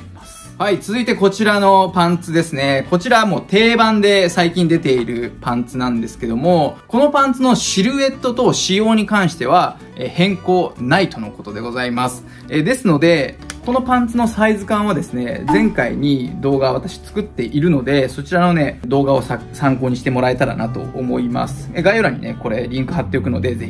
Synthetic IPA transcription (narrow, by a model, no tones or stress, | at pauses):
hait͡sɨzɨit̪e̞ko̞t͡ɕiɾano̞pãnt͡sɨd̪e̞sɨne̞ko̞t͡ɕiɾamo̞ːt̪e̞ːbãnd̪e̞saikʲĩnd̪e̞t̪e̞iɾɯ̟pãnt͡sɨnãnd̪e̞sɨ̥ke̞d̪o̞mo̞ko̞no̞pãnt͡sɨno̞ɕiɾɯ̟e̞t̪ːo̞t̪o̞ɕijo̞ːɲ̟ikãɰ̃ɕi̥t̪e̞β̞a | ehẽ̞ŋko̞ːnait̪o̞no̞ko̞t̪o̞d̪e̞ɡo̞zaimasɨ̥ | ed̪e̞sɨno̞d̪e̞ko̞no̞pãnt͡sɨno̞saizɨkãɰ̃β̞ad̪e̞sɨne̞d͡zẽ̞ŋkaḭɲ̟id̪o̞ːɡaβat̪aɕi̥t͡sɨ̥kɯ̟t̪ːe̞ʔiɾɯ̟no̞d̪e̞so̞t͡ɕiɾano̞ne̞d̪o̞ːɡao̞sasãŋko̞ːɲ̟iɕi̥t̪e̞mo̞ɾae̞t̪aɾa̰nat̪o̞̰ːmo̞ima̰sɨ̥eɡajoɾaɲ̟ḭne̞̰ko̞ɾe̞ɾʲĩŋkɯ̟ɦat̪ːe̞okɯ̟no̞d̪e̞ze̞çii